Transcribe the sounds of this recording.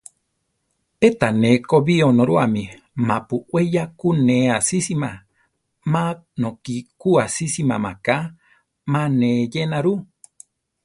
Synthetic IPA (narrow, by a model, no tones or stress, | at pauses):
et̪anẽkoβionõɾuamĩ | mãpuʔwejakuneasisima | manokikuasisima̰maka | mãnejenaɾu